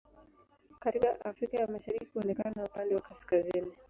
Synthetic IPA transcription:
katikaʔafɾikajalmaʃaɾikihuɔnɛkananaupandɛwakaskazini

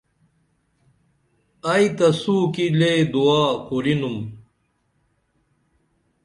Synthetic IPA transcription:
ɐjt̪ɐsuːkiled̪uaːquɾinum

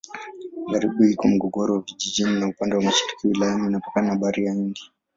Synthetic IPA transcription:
ɡaɾiɓuhikɔm̩ɡɔɡɔɾɔwaviʄiʄininaupandɛwamaʃi̥ɾi̥kiwilajaniːnapḁkanaaɓaɾijaiɡi

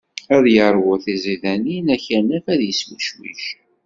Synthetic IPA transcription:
æðjəɾˤwʊθiziðæninæçənæfæðjəswəʃwḭʃ

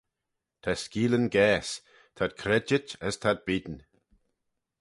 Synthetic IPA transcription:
t̪ʰaskiːlənɡɛːs | t̪ʰad̪̚kʰɾɛd͡ʒɪtəst̪ʰad̪̚biːd̪n̩

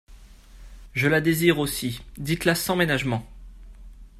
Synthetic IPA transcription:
ʒəlad̪eziʁosid̪it̪lasɑ̃menaʒmɑ̃

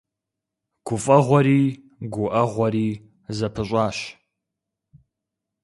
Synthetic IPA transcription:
ɡ̥ʷʊfʼɐʁʷɔɾiː | ɡʷʊʔɐʁʷɔɾiː | zɐpʰɨɕ̬ʷʼɑːɕ

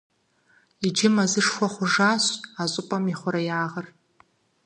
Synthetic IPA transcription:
id͡ʒɪmazɨʂxʷaχʷʊʐasʷtʼazʼʊpʼamiχʷʊɾajaːʁər

